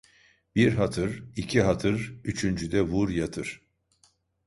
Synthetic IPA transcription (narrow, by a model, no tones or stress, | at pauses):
b̥iɾɦat̪ʰɯɾicʰiɦat̪ʰɯɾyt͡ʃʰynd͡ʒyd̪ɛvuɾjat̪ʰɯɾ̥